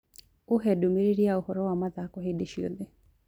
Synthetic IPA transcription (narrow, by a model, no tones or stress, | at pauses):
oɦɛdomeɾeɾiaohɔɾɔwamaðakɔɦedeʃio̰d̪e